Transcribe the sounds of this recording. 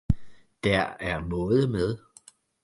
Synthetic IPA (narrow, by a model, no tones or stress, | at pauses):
d̥æɐæɐnɔːð̩ˠəmeð̞ˠ